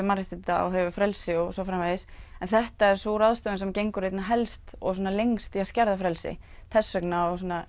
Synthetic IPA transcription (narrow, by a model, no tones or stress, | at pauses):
maɾɪt̪ɪt̪aɔ̰ɦɛvʏfɾɛlsɪɔsɔfɾamaðɪsɛnθɛht̪aɛɾ̥sɔɾaðst̪œvɪnsɛmcejŋkʏɾejt̪naɦɛlst̪ɔ̰ɣsɔːnalejŋst̪iascɛɾðafɾɛlsɪ̰ | t̪ʰɛsːœknaɔɣsɔːna